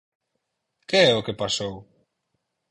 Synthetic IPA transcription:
keɛʊkepasow

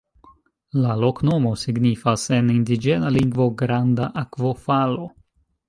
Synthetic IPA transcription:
lalo̞kno̞mo̞siɡnifase̞nindid͡ʒe̞naliŋɡvo̞ɡɾandaʔakvo̞falo̞

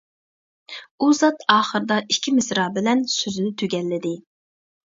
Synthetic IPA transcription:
uzɑt̪ɑːχəɾɨd̪ɑʔikʲʰːimɪsɾɑːbɪlɛnsøzynɪt̪ʰøɡʲɛlːɪd̪ɪ

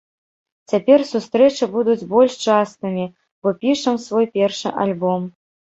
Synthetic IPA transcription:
t͡sʲapʲɛrsust̪ɾɛt͡ʂɐbud̪ud͡zʲbɔlʲʂt͡ʂast̪ɨmʲi | bɔpʲiʂɐmsvɔjpʲɛrʂɨ̰ʔa̰lʲbɔm

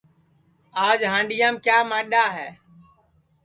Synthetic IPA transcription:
aːd͡ʒɦãːɳɖɪjãːmkjaːmãːɗaːɦɛː

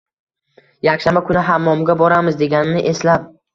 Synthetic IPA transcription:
jakʲʃambakʰʊnɪɦamːɒmɡʲabɒɾamɪzd̪e̞ɡʲanɪnɪʔe̞slap

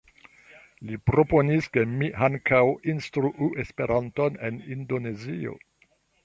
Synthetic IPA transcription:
lipɾo̞po̞niske̞mihaŋkʰawinstɾuʔuʔe̞spe̞ɾʔanto̞ne̞̰nindo̞ne̞zio̞̰

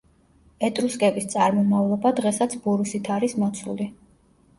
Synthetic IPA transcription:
ɛt̪ʼɾuskʼɛbist̪sʼaɾmɔmavlˠɔbad̪ʁɛsat̪sʰbuɾusit̪ʰaɾismɔt̪sʰṵli

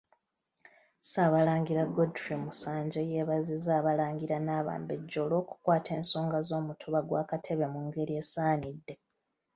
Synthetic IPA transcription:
saːβalaːŋɡiɾaɡodfimusaːɲɟejeβazizaːβalaːŋɡiɾanaːβa̰ːmbe̞ɟːo̞lo̞ːku̥kwaːtʰe̞ːnso̞ːŋɡazo̞ːmutʰuβaɡwaːkatʰe̞βe̞muŋɡe̞ɾie̞ːsaːnidːe̞

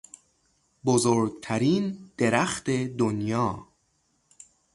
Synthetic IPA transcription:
bozoːɾɡ̚t̪ʰæɾiːnd̪̥e̞ɾæxt̪ʰe̞d̪onjɒː

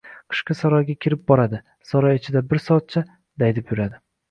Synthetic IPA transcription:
qʰɨ̥ʃqɑsɒɾɒjɡʲakʲʰɪɾɪp̚bɒɾad̪ɪ | sɒɾɒjɪt͡ʃʰɪd̪abɪɾsɒt̪̚t͡ʃʰa | d̪ajd̪ɪpjʊɾad̪ɪ

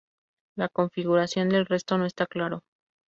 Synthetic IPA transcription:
lako̞ɱfiɣuɾasjo̞nd̪e̞lre̞st̪o̞noest̪aklaɾo̞

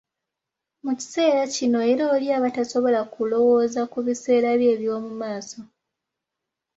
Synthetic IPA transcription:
muci̥se̞ːɾacino̞eɾoːljaːβataso̞βo̞lakulo̞wo̞ːzakuβise̞ːɾaβje̞ːβjoomumaːso̞

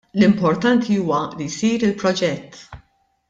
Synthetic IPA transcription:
lɪmpɔɾt̪ɐnt̪ʰiuːwɐlijsiːɾɪlpɾɔd͡ʒɛt̪ː

